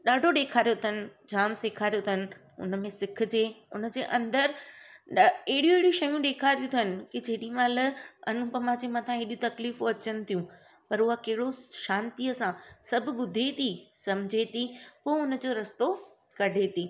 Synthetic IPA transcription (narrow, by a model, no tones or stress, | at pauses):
ɗaːɖʱoɗeːkʰaːɾjot̪ʰənɪ̆d͡ʑaːmseːkʰaːɾjot̪ənɪ̆ | ʊ̰nə̆mẽsɪk̆ʰd͡ʑeːʊnəd͡ʑeːʔɐ̃nd̪əɾ | eɦɪɽieɦɪɽiʃɐjũɗeːkʰaːt̪jũt̪ʰənɪ̆kid͡ʑeɦɗĩmãləɐnũpɐmãd͡ʑemat̪ʰãɦeɗũt̪ɐkliːfoɐt͡ɕənɪ̆t̪ʰijũ | pɐɾʊɦakɐɦɪɽoʃãːnt̪iəsãsɐb̆ʱɓʊd̪ʱet̪ʰisɐmd͡ʑʱet̪ʰipoːʊnə̆d͡ʑoːɾɐst̪o | kɐɖʱet̪ʰiː